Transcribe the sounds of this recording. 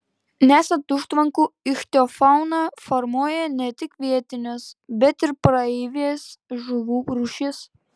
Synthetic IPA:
nʲæːsʲɐnt̪ʊʃt̪ʋɐŋkuːɪxt̪ʲoːfɑˑʊnɑfɔɾmuɔjɛnʲɛt̪ʲɪkʋʲiɛt̪ʲɪnʲosbʲɛt̪ɪɾpɾɐɛɪʋʲeːsʒʊʋuːɾuʃʲɪs

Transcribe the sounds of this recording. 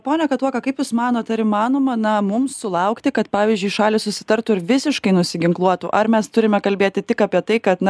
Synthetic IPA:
poːnʲɛkɐt̪t̪uɔkɐkɐɪpjʊsmɑːnoːt̪ɐɾimɑːnoːmɐnɐmʊmsːʊlˠɐʊkt̪ʲɪkɐt̪pɑːʋʲiːzʲd͡ʒʲʊɪʃɑːlʲɪsʊsʲɪ̥t̪ɐɾt̪ʊɪɾʋʲɪsʲɪʃkɐɪnʊsʲɪɡʲɪŋklˠuɔt̪uʔɐɾmʲɛst̪ʊɾʲɪmʲɛkɐlʲbʲeːt̪ʲɪt̪ʲɪkɑpʲiɛt̪ɐɪkɐt̪nɐ

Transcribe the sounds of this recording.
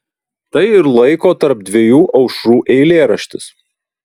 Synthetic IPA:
t̪ɐɪɪɾlˠɐɪkoːt̪ɐɾp̚d̪ʲʋʲijuːʔɒʊʃɾuːʔɛɪlʲeːɾɐʃʲt̪ʲɪs

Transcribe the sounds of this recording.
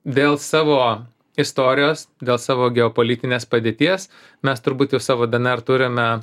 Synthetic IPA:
d̪ʲeːlˠsɑːʋoː | ɪst̪oːɾʲɪjoːsd̪ʲeːlˠsɑːʋoːɡʲɛoːpoːlʲiːt̪ʲɪnʲeːspɐd̪ʲeːt̪ʲiɛs | mʲɛst̪ʊɾbuːt̪jɛʊsɑːʋoːd̪ɐnɛɾt̪ʊɾʲɪmʲɛ

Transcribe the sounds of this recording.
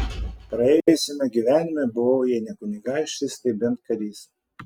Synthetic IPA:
pɾɐɛːjʊsʲɪmʲɛɡʲiʋʲæːnʲɪmʲɛbʊʋoʊjɛɪnʲɛkʊnʲɪɡɑˑɪʃʲt̪ʲɪst̪ʲɐɪbʲɛnt̪̚kɐɾʲiːs

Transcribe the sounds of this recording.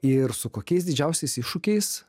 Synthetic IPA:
ɪɾsʊkoːkʲɛɪsd̪ʲɪd͡ʒʲɛʊsʲɛɪsɪʃʊkʲɛɪs

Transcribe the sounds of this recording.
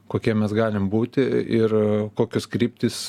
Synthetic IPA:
koːkʲiɛmʲɛsɡɑːlʲɪmbuːt̪ʲɪɪrkoːkʲʊskɾʲiːp̚ʲt̪ʲis

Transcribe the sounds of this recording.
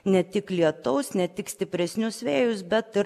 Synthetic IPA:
nʲɛt̪ʲɪklʲiɛt̪ɐʊsnʲɛt̪ʲɪksʲt̪ʲɪpʲɾʲɛsʲnʲʊsʋʲeːjʊsbʲɛt̪ɪ

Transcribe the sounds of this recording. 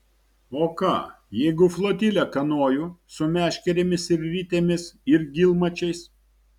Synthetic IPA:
oːkɑ̰ː | jɛɪɡʊflˠoːt̪ʲilʲɛkɐnoːjʊsʊmʲæːʃʲkʲɛɾʲeːmʲɪsɪɾɾʲit̪ʲeːmʲɪsɪɾɡʲɪlˠmɐt͡ʃʲɛɪs

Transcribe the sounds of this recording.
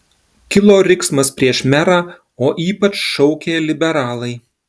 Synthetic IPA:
kʲɪlˠoːɾʲɪksmɐspʲɾʲiɛʃmʲæɾɑː | oːʔiːpɐt͡ʃʃɔʊkʲeːlʲɪbʲɛɾɑːlˠɐɪ

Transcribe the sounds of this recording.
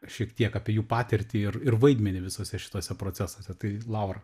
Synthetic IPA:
ʃʲiɛkt̪ʲiɛkɑːpʲiɛjuːpɑːt̪ʲɛɾʲt̪ʲɪɪrɪrʋɐɪd̪ʲmʲɛnʲɪʋʲɪsoːsʲɛʃʲɪ̥t̪oːsʲɛpɾoːt͡sʲæsoːsʲɛt̪ɐɪlˠɐʊɾɐ

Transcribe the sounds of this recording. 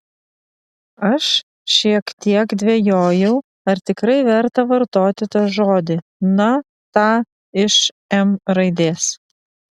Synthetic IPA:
ɐʃ | ʃʲiɛkt̪ʲiɛkd̪ʲʋʲejoːjɛʊ | ɐɾt̪ʲɪkɾɐɪʋʲɛɾt̪ɐʋɐɾt̪oːt̪ʲɪt̪ɐʒoːd̪ʲɪnɐ | t̪ɑː | ɪʃ | ɛmɾɐɪd̪ʲeːs

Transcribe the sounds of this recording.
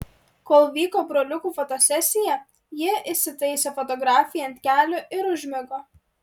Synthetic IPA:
koːlˠʋʲiːkoːbɾoːlʲʊkuːfɔt̪osʲɛsʲɪjɛ | jɪʔɪsʲɪt̪ɐɪsʲɛfɔt̪ɔɡɾɑːfʲɪjɛɐnt̪ʲkʲæːlʲoʔɪɾʊʒʲmʲɪɡoː

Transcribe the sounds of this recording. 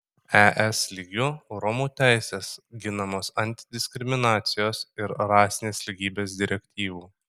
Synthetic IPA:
æʔɛslʲiːɡʲʊɾɔmuːt̪ʲæˑɪsʲeːsɡʲɪnɐmoːsɐnʲt̪ʲɪd̪ʲɪsʲkʲɾʲɪmʲɪnɑːt̪sʲɪjoːsɪɾɾɑːsʲɪnʲeːslʲiɡʲiːbʲeːsd̪ʲɪɾʲɛkʲt̪ʲiːʋuː

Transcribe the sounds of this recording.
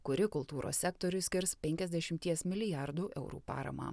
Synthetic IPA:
kʊɾʲɪkʊlˠt̪uːɾo̰ːsʲæk̚t̪oɾʲʊsʲkʲɪɾspʲɛŋʲkʲɛzʲd̪ʲɛʃʲɪmʲt̪ʲiɛsmʲɪlʲɪjɑɾd̪uːʔɛʊɾṵːpɑ̰ːɾɐ̰mɑ̰ː

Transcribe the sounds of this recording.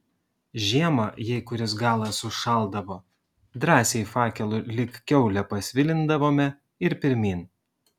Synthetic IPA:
ʒʲiɛmɐjɛɪkʊɾʲɪsɡɑːlˠɐsʊʃɑˑlˠˑd̪ɐʋoː | d̪ɾɑːsʲɛɪfɑːkʲɛlˠʊlʲɪkkʲɛʊlʲɛpɐsʲʋʲɪlʲɪnd̪ɐʋoːmʲɛ | ɪɾpʲɪɾʲmʲiːn

